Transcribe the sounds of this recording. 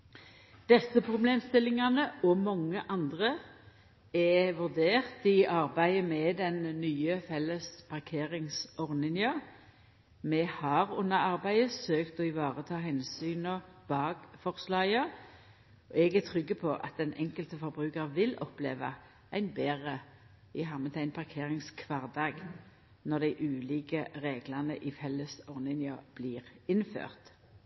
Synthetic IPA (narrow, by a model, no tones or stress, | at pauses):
d̪̥ɛsəpʰʁʊbleːmst̪ɪlɪŋɑnəɔmɔŋːəʔɑnd̪ʁə | ɛʋʉʁd̪eːʁt̪ɪʔɑʁbæɪəmɛd̪ɛnːyːəfɛləspʰɑʁkʰeːʁɪŋsɔʁnɪnjɑ | mɛhɑʁʊnːəɑʁbæɪəsøːkt̪ɔɪʋɑːʁət̪ʰɑːɦɛnsyːnɔb̥ɑːɡfɔʁslɑə | ɔɛɡæt̪ʰʁʏɡːəpʰɔʔɑ̰t̪̚d̪ɛnɛŋkəlt̪əfɔʁbʁʉːkəʁʋɪlɔplḛːʋɑ̰ | ʔæɪnbeːʁə | ɪɦɑmːət̪ʰæɪnpʰɑʁkʰeːʁɪŋskʰʋɑʁd̪ɑːɡ | nɔʁd̪æɪʔʉːliːkəʁeːɡlɑnəʔifɛlːəsɔʁnɪnjob̥liːʁɪnfø̰ːʁt̪